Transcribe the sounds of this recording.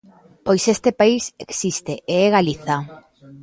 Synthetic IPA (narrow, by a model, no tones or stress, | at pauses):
pojsest̪epaiseksist̪eʔeɛɣaliθa